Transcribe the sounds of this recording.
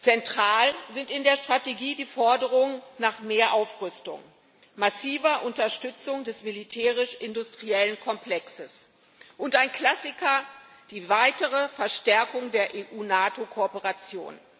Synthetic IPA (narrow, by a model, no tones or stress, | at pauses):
t͡sɛntʁ̥aːlzɪntɪndeːɐʃtʁ̥ateɡiːdiːfɔɐdəʁ̞ʊŋənaːχmeːɐʔaʊfʁʏstʊ̰ŋ | masiːvɐʔʊntɐʃtʏt͡sʊŋdɛsmilitʰɛːʁ̞ɪʃʔɪndʊstʁ̥iɛlənkʰɔmpl̥ɛksəs | ʔʊntaɪnkl̥asɪkɐ | d̥iːvaɪtəʁ̞əfɛɐʃtɛɐkʊŋdeːɐʔeːʔuːnaːtokʰopəʁat͡sjo̰ːn